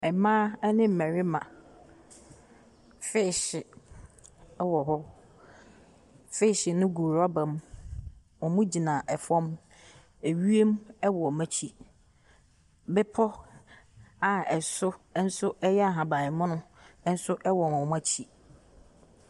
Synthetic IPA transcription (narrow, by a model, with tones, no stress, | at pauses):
ɛ˨mãː˦nɪ̃˦m̩˨ɛ˨ɾɪ˦mã̰˨ | fɪ˦˨ɕɪ˨˦ | wɔ˨ɦɔ˦ | fɪ˦˨ɕɪ˨nʊ̃˦ɡuː˨ɾa˦bã˨m | ɔ˨mʊ̃˦d͡ʑi˨nã˨ʔɛ˨fɔ̃˦m | e˨ɥi˦e˦mɛ˦wɔ˨mæ˦t͡ɕʰi˨ | bɛɪ˦pʰɔ˦ | a˨ɛ˨sʊ˦n̩˦sʊ˦ɛ˦jɛ˦a˨ɦã˨bã˨ɪ˨mʊ̃˦nʊ̃˦n̩˦sʊ˦ʔɛ˦wɔ˨m˨ɔ˨ma˦t͡ɕʰi˨